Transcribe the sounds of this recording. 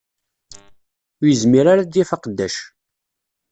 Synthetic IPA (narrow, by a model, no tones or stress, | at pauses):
jəzmiɾaɾad̪jæfɑqəd̪ːæʃ